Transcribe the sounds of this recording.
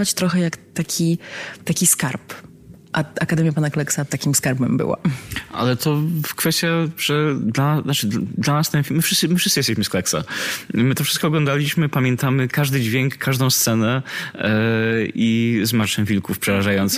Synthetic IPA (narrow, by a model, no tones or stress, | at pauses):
vat͡ɕt̪ɾɔxɛjakt̪akʲʰit̪akʲiskaɾp | ʔaakad̪ɛmjapanaklɛksat̪akʲimskaɾbɛmbɘ̰wa̰ʔa̰lɛt̪ʰɔkfɛst̪ʲjaʐ̥ɛd̪laat͡ʂɘd̪lanast̪ɛnfʲimːɘfʂɘst̪sɘmɘfʂɘsɨjɛst̪ɛɕmɘsklɛksa̰mɘt̪ɔfʂɘst̪kɔːɡlɔ̃nd̪alʲiɕmɘpamʲjɛnt̪amɘkaʐd̪ɘd͡ʑvʲjeŋkːaʐd̪ɔ̃st̪sɛnɛ | izmaɾt͡ʂɛwvʲilkufpʂɛɾaʐajɔnt̪s